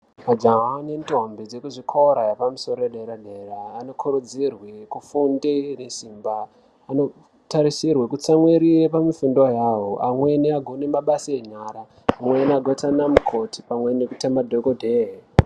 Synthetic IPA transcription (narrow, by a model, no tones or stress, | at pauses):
mad͡ʒaɦanentombed͡zekuʐikʰoɾajapamuso̞ɾoeɗeɾaɗeːraːno̞kʰuɾud͡zirwekufundenesimbaː | no̞ | taɾisirwekut͡samweɾiwepamifundojaːɦoʔamwe̞niaɡʱonemaɓasieɲaɾaː | mweniaɡʱotanamukʰo̞tʰi̥pamwe̞nekutamadʱokodʱee